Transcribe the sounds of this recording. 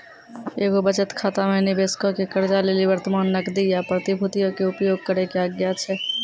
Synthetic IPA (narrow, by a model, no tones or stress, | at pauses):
eːɡobət͡ʃət̪kʰaːt̪amẽnɪbeːskokekəɾd͡ʒaleːliʋəɾt̪əmaːnːəkd̪ijapɾət̪ibʱʊt̪ijõkeʊpjoːɡ̚kəɾekeaːɡjat͡ʃʰɛ